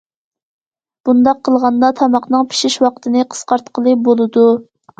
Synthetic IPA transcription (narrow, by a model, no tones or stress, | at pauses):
b̥und̪ɑqʰːəlˠʁɑnd̪ɑt̪ʰɑmɑqnɨŋpʰi̥ʃiʃwɑqt̪ʰɨnɨqʰə̥sqɑɾt̪qʰəlˠɨbolˠɨd̪u